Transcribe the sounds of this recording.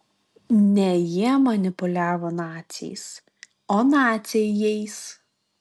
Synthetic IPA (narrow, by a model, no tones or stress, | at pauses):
nʲɛjiɛmɐnʲɪpʊlʲæːʋoːnɑːt̪sʲɛ̰ɪs | oːnɑːt̪sʲejɛɪs